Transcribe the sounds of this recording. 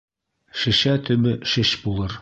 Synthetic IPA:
ʃɘ̆ʃæt̪ɵ̆bɘʃɘʃbulˠɤɾ

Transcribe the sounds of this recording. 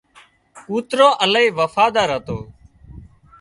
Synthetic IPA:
uːt̪ɾõːʔəlaiːʋəfaːd̪aːɾɦət̪o̰ː

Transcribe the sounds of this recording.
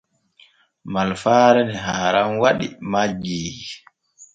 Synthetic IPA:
malfaːɾɛnɛɦaːɾanwaɗḭmad͡ʒiːd͡ʒi

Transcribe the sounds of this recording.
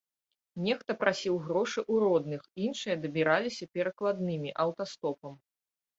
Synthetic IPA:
nʲɛxt̪ɐpɾasʲiwɣɾɔʂɨʔuɾɔd̪nɨxinʂɨjɐd̪ɐbʲiɾalʲisʲɐpʲɛɾɐklˠad̪nɨmʲiʔɐwt̪ast̪ɔpɐm

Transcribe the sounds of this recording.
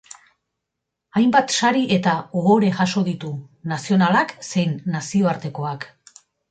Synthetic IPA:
ajmbat̪ʃaɾiʔe̞t̪aoɣo̞ɾe̞ʝaʃo̞ðit̪unasio̞nalakse̞jnːasio̞aɾt̪e̞ko̞ak

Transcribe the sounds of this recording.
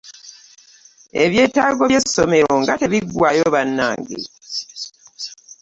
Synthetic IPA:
e̞̰βje̞ːtaːɡo̞βjesːome̞ɾoŋɡateβiɡwaːjoβanːa̰ːŋɡḛ

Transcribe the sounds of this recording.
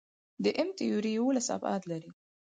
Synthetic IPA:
d̪əʔɪmt̪ɪjuɾijawolasa̰bɑ̰d̪laɾi

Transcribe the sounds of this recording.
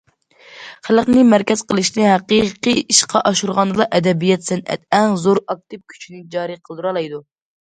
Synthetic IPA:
χælˠqnɨmæɾkʲɛz̥qəlˠɨʃnɪɦæqiqɨiʃqʰɑʔɑʃuɾʁɑnd̪ɨlˠɑʔɛd̪ɛbijɛt̪sɛnʔɛ̰t̪̚ɛŋzoɾɑk̚t̪ɨp̚kʲʰy̥t͡ʃʰinɪd͡ʒɑːɾɨqʰəlˠd̪uɾɑlˠɑjd̪u

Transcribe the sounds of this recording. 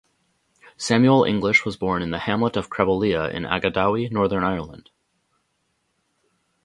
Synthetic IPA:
sæ̃mjul̩ˠʔɪ̰̃ŋɡləʃwʌzbɔɹnɨ̃nðɨhæ̃mləɾʌv̥kʰɹ̥ɛvəlˠiəɪ̰̃næ̰ɡɨdaʊinɔɹðə̃˞naɪə˞lˠə̃nd̥

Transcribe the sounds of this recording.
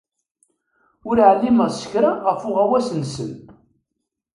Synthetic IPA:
ʊɾʕəlːiməʁsə̥çɾaʁəfʊʁæwæsnsə̰n

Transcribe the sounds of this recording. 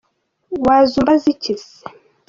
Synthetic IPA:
wazumbazicis

